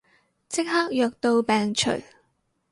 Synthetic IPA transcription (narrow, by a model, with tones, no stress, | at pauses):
t͡sɪ˥k̚haː˥k̚jœː˨k̚t̪o˧wpɛː˨ŋt͡ʃʰɵ̰˨˩ɥ